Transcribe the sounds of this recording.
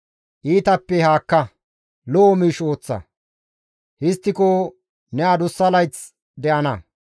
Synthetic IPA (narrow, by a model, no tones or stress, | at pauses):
ʔiːt̪ɐpːɛhaːkːɐ | loʔːmiːʃo̞ːt͡sːɐ̰ | hɪst̪ːɪko | nɛaːd̪ʊsːɐlɐjt͡s | d̪ɛʔɐnɐ